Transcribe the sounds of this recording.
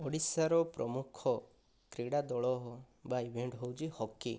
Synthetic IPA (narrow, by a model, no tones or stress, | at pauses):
ɔɽisaɾɔpɾɔmukʰɔ | kɾiɽad̪ɔɭɔɦɔ | baibʱeɳɖɦowd͡ʒihɔkːi